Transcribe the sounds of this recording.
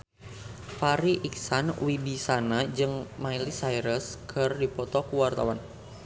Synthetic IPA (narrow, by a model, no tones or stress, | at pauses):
faɾiʔiksanwibisanad͡ʒɨŋmailisajɾəskʰərdipɔt̪ɔkuwart̪awan